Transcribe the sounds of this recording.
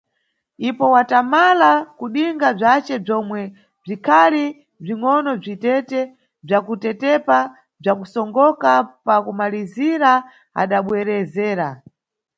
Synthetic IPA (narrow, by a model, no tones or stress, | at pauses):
ipɔwatamalakuɗiŋɡab͡ʐat͡ʃɛb͡ʐɔmwɛ | b͡ʐikʰali | b͡ʐiŋɔnɔb͡ʐitɛtɛ | b͡ʐakutɛtɛpa | b͡ʐakusɔŋɡɔkapakumaliziɾa | a̰ɗaɓwɛɾɛzɛːɾa